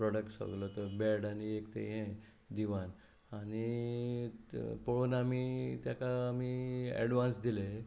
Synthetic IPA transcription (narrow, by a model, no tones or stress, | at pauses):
pɾɔɽəkʈsə̰ɡlɔt̪əɾbɛɾɽaniekt̪ḛɦẽ | d̪iʋan | añi | poɭonamit̪jakaːmiɛ̰ɽʋãnsd̪ile